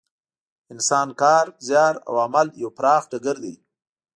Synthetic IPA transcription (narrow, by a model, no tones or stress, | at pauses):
ɪnsɑːnkɑːɾzjɑːɾa̰wamaljawpɾɑːxɖaɡəɾd̪ḛj